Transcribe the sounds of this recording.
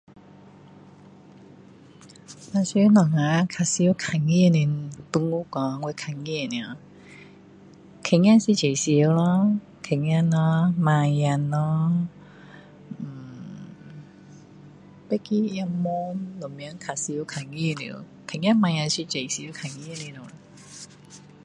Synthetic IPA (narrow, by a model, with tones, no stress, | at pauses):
a˧˨si˧˦nɔ˨˩ŋa˧˦kʰa˨˩si˧˦kʰa˨˩ŋi˦˧˨ni˨t̪u˧ŋu˦kɔ˨˧ŋwe˧kʰa˨˩ŋi˧˨ni˨a˨ | kʰe˨ŋjã˧˨nsi˧˥t͡ɕe˨˩si˧˦lɔ˦ | kʰe˨˩ŋ˧a˧nɔ˧˦mã˧ja˧nːɔ˦˨˩ | pe˦ki˦ja˧nmɔ˦nlɔ˨˩mi˧˦ə˦ŋkʰa˨si˧˦kʰa˨˩ŋi˦˧˨nḭ˧˨˦ | kʰe˨˩ŋja˧nmã˧ja˧nsi˧t͡ɕe˨˩si˧˦kʰa˨˩ŋi˧ni˧nɔ˨˧˦